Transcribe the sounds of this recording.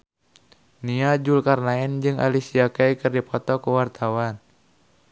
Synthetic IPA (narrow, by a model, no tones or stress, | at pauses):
niad͡ʒulkarnaɛnd͡ʒɨŋʔa̰lisiakaikɨrdipɔt̪ɔkuwart̪ʰawan